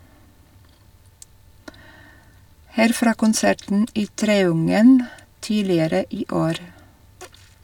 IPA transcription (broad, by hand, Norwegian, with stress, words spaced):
ˈhæːɾ ˈfɾɑː kʊnˈsæʈn̩ ˈiː ˈtɾeːʊŋən ˈtiːlɪəɾə ˈiː ˈoːɾ